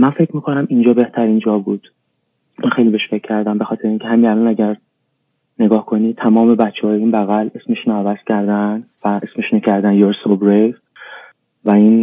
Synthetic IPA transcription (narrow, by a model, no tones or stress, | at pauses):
mænfecʰmiːkʰonæmind͡ʒɒːbe̞ht̪ʰæɾiːnd͡ʒɒːbuːd̪̥ | mænxejlibeʃfe̞cʰːæɾd̪æmbe̞xɒːt̪ʰe̞ɾeiːncʰehæminælɒnæɟæɾ | ne̞ɡɒːhkʰo̞niːt̪ʰæmɒːme̞bætt͡ʃʰːehɒːjeiːnbæɣæle̞smeʃnɒævæz̥cʰæɾd̪ænvæʔesmeʃnocʰæɾd̪ænjoɾsobɾe | væiːn